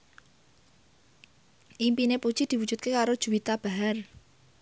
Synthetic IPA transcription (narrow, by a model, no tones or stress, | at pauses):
ʔimpinepud̥ʒ̥i̤d̪̥iwudd͡ʒ̥ṳt̪̚kekaɾod̥ʒ̥ṳwit̪ab̥aɦar